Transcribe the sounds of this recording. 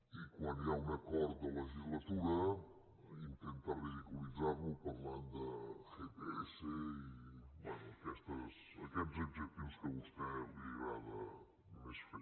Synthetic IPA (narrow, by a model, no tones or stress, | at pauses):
ikwanjaunəkɔɾt̪̚d̪ələʒizlət̪uɾə | int̪ent̪ariðikulid͡zaɾβupəɾland̪əxepeɛseibwɛnuəkɛst̪əs | ə̰kɛzubd͡ʒək̚t̪iwskəβust̪ɛəβliβaðə | numesf